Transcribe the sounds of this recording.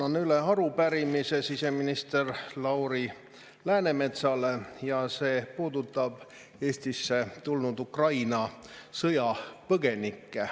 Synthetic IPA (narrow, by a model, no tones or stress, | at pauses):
ɑnyle̞ɑɾupæɾimise̞sise̞minist̪e̞rlɑwɾi | læːne̞me̞t̪sɑlejɑse̞ːpuːd̪ut̪ˑːɑb̥ | e̞ːsʲt̪isːe̞t̪ulnud̪ukrɑjnɑsɤjɑpɤɡ̥e̞nikːe